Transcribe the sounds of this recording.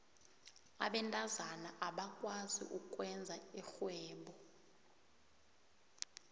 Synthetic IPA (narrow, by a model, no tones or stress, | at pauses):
a̰ɓɛntʼazanaʔaɓakʼwazḭʔukʼwɛnd͡zʱaixwɛːmɓɔ